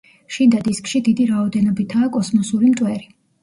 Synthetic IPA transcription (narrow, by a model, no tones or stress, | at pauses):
ʃind̪ad̪iskʼʃid̪id̪iɾaɔd̪ɛnɔbit̪ʰaːkʼɔsmɔsuɾimt̪ʼwɛɾi